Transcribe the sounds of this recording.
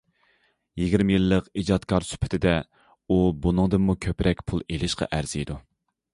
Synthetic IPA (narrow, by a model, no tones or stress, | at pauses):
jiɡʲiɾmɪjilˠːəqid͡ʒɑt̪kʰɑɾsy̥pʰɪ̥t̪ʰɪd̪ɛ | ubunɨŋd̪ɨmːukʲʰøpɾʔɛkʲpʰulˠelɪʃqʰɑ̰ʔæɾzijd̪u